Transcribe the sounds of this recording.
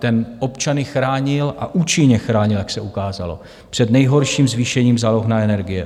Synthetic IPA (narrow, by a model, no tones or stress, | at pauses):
t̪ɛnʔo̞pt͡ʃanɪxɾaːɲɪlʔaʔuːt͡ʃɪɲɛxɾaːɲɪljaksɛʔukaːza̰lo̞̰ | pr̥ɛd̪nɛjɦo̞ɾʃiːmzviʃɛɲiːmzaːloxnaɛnɛɾɡɪjɛ̰